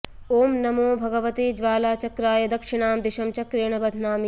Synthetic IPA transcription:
oːmnɐmoːbʱɐɡɐʋɐt̪eːd͡ʒʋaːlaːt͡ʃɐkɾaːjɐd̪ɐkʂiɳaːmd̪iʃɐmt͡ʃɐkɾeːɳɐbɐd̪ʱnaːm

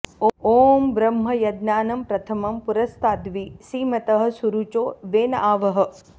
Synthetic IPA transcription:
oːmbɾɐmɦɐjɐd̪naːnɐmpɾɐt̪ʰɐmɐmpuɾɐst̪ʰaːd̪ʋisiːmɐt̪ɐɦɐ̆suɾut͡ʃoːʋeːnɐaːʋɐɦɐ̆

